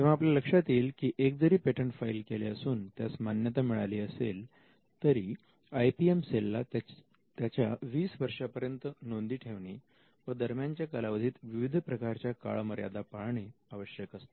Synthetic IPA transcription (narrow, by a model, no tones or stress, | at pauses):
t̪ẽʋ̤aapljaləkʂat̪iːlkiːʔek̚d͡zəɾiːpeʈəɳʈfailkeleəsuːnt̪jasmanjət̪amiɭaliːəsel | t̪əɾiː | ajpiemselːat̪ | t̪jat͡ɕjaʋiːsʋəɾʂapəɾjənt̪ənond̪iːʈʰeʋɳi | ʋəd̪əɾmjaɲt͡ɕjakəlaʋəd̪ʱiːt̪ʋiʋid̪ʱpɾəkaɾt͡ɕjaka̰ɭməɾja̰d̪apaɭɳeaʋəɕjəkəst̪o̥